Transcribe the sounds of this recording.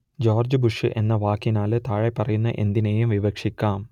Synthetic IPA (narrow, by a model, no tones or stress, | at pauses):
d͡ʑo̞ːrd͡ʑɨbuʂɨʔe̞nːɐʋaːkːinaːlɨt̪aːɻepːɐrɐjunːɐʔe̞̰nd̪ineːjumʋiʋɐkʂikʲːaːm